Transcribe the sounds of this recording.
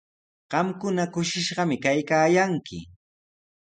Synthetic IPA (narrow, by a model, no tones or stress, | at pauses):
ɢ̥ɑmkʊnakʊʃɪʃɢɑmɪkajkaːjaŋkɪ̰